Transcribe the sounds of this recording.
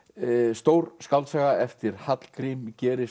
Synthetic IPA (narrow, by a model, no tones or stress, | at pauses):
st̪oːwɾskawlsɛːɣaɛft̪ɪɾ̥hat̪l̥kʰɾimcɛːɾɪ